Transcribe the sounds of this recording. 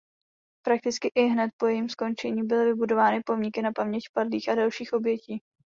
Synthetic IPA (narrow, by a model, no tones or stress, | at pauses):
pɾak̚t̪ɪt͡skɪʔɪɦnɛt̪̚po̞jɛjimsko̞nt͡ʃɛɲiːbɪlɪvɪbudo̞vaːnɪpo̞mɲɪkɪnapamɲɛcpadliːxadalʃiːxʔo̞bjɛciː